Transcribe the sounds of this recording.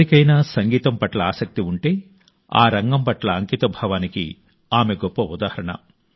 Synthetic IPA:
ikɐjnaːsɐŋɡiːt̪ɐmpɐʈlɐaːsɐk̚t̪iuɳʈe̞ː | a̰ːɾɐŋɡɐmpɐʈlɐːŋkit̪ɐbʱɐʋaːnikḭ | aːme̞ɡɔpːɐud̪aːhɐɾɐɳɐ̰

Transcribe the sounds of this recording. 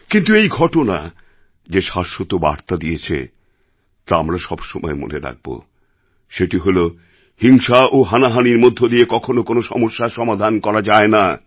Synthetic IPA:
kint̪uejɡʱɔʈona̰ | d͡ʑeʃaʃːot̪oba̰ɾt̪ad̪ijet͡ɕʰḛ | t̪aamɾaʃɔbʃɔmɔ̰emo̰neɾa̰ɡ̚bo̰ | ʃeʈiɦolo | hiŋʃaoɦanaɦaniɾmod̪ʱːod̪iekɔkʰonokonoʃɔ̰moʃːaʃɔmad̪ʱankɔɾad͡ʑaena

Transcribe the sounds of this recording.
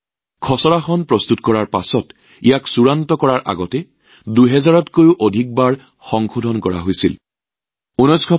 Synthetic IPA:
kʰɔsɔɹaxɔnpɹɔstutkɔɹaɹpasɔt | ijaksuɹantɔkɔɹaɹʔa̰ɡɔtɛ | duɦɛzaɹɔtkojʊʔodʱik̚baɹ | xɔŋxʰodʱɔnkɔɹa̰ɦojsil | unɔjskʰɔ

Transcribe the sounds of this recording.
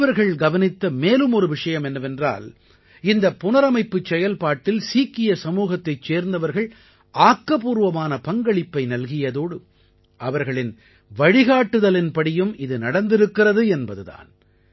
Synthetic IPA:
ɐɾɣɐɭɡɐʋɐnɪt̪ːɐmeːlɯmɔɾɯʋɪʂɐjɐmɛnːɐʋɛndra̰ːl | ɪnd̪ɐpːʊnɐɾɐmɐɪpːɯt͡ʃːɛjɐlpaːʈːɪlsiːkːɪjɐsɐmuːɣɐt̪ːɐɪt͡ʃːeːɾnd̪ɐʋɐɾɣɐɭ | aːkːɐp̬uːɾʋɐmaːnɐpɐŋɡɐɭɪpːɐɪnɐlɣɪjɐðoːɽɯ | ʔɐʋɐɾɣɐɭɪn | ʋɐɻɪɣaːʈːɯðɐlɪnpɐɽɪjɯmɪðɯnɐɽɐnd̪ɪɾɯkːɪrɐðɯɛnbɐðɯða̰ːn

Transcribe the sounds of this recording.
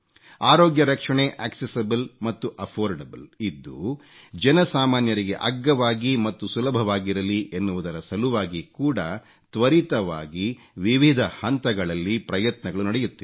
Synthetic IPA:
aːɾoːɡjɐɾɐkʂɐɳeʔaːksesɐbɨlmɐt̪ːuʔɐpʰoːɾɖɐbɨlid̪ːu | d͡ʒɐnɐsaːmaːnjɐɾiɡe̞ʔɐɡːɐʋaːɡimɐt̪ːusulɐbʱɐʋaːɡiɾɐliʔenːuʋud̪ɐɾɐsɐluʋaːɡikuːɽɐ | t̪ʋɐɾit̪ɐʋa̰ːɡi | ʋiʋid̪ʱɐhɐnt̪ɐɡɐɭɐlːipɾɐjɐt̪nɐɡɐɭunɐɽejut̪ːu

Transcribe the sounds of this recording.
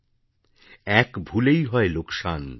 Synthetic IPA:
ɛkbʱulejɦɔelokʃan

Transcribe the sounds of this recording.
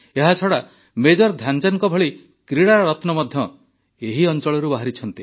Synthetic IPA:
eɦat͡ʃʰɔɽa | med͡ʒɔɾd̪ʱjand͡ʒaŋkɔbʱɔɭi | kɾiɽaɾɔt̪nɔmɔd̪ʱjɔ | eɦiɔnt͡ʃɔɭɔɾubaɦaɾit͡ʃʰɔnt̪i

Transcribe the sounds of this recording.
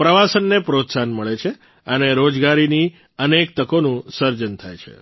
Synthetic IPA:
pɾəʋasənːepɾot̪sanməɭet͡ʃʰe | əneɾod͡ʒɡaɾini | ənek̚t̪əkonũsəɾd͡ʒənt̪ʰa̰jt͡ʃʰḛ

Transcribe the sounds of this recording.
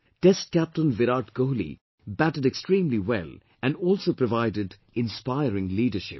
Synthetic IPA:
ʈɛs̚kæp̚ʈə̃nʋɪɾaʈɡoɦlḭ | bæʈəɖekstɾĩːmliwɛ̰l | ʔæ̃nɔːlˠsoːpɾɔvaɪdɪɖ | ɪ̃nspaɪəɾɪ̃ŋliːɖəʃɪ̰p̚

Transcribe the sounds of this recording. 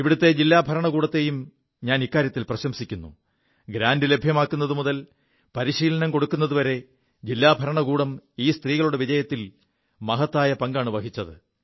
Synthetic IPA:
iʋiɽut̪ːe̞d͡ʑilːaːbʱɐɾɐɳɐkuːɽɐt̪ːe̞jum | ɲaːnikːaːɾjɐt̪ːilprɐɕɐmsikʲːunːṵ | ɡɾaːndɨlebʱjɐmaːkːunːɐðumuðɐl | pɐɾiɕiːlɐnɐmko̞ɽukːunːɐðuʋɐɾe̞ | d͡ʑilːaːbʱɐɾɐɳɐkuːɽɐmiːst̪riːɣɐɭuɽe̞ʋid͡ʑɐjɐt̪ːil | mɐɦɐt̪ːaːjɐpɐŋɡaːɳɨʋɐɦit͡ɕːɐðɨ

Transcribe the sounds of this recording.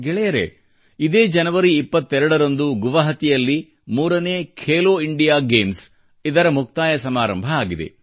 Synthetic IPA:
ɡɛɭɛjɐɾḛ | id̪e̞ːd͡ʒɐnɐʋɐɾiːpːɐt̪ːɛɾɐɽɐɾɐnd̪uɡuʋɐɦɐt̪ijɐlːi | muːɾɐne̞ːkʰeːloːiɳɖijaːɡeːms | id̪ɐɾɐmuk̚t̪aːjɐsɐmaːɾɐmbʱɐaːɡid̪ḛ

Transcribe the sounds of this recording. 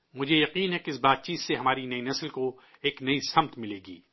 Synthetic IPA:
mʊd͡ʒʱejɐqiːnɦɛkɪs̬baːt̪̚t͡ʃiːt̪seɦɐmaːɾinɐinɐslko | eːknɐisɐmt̪mɪleːɡḭː

